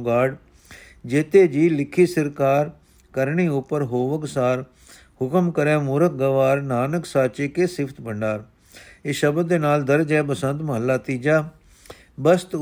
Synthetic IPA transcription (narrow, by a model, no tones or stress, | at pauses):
ɡaːɖ | d͡ʒeːt̪eːd͡ʒiːlɪkʰːiːsəɾkaːɾ | kəɾɳiːʊpəɾɦoːʋəksaːɾ | hʊkəmkəɾɛːmʊːɾək̚ɡəʋaːɾnaːnəksaːt͡ʃeːkeːsɪpʰt̪bəɳɖaːɾ | ɪʃəbd̪eːnaːld̪əɾd͡ʒɛːpəsə̃nt̪məɦəlːaːt̪iːd͡ʒaː | bəst̪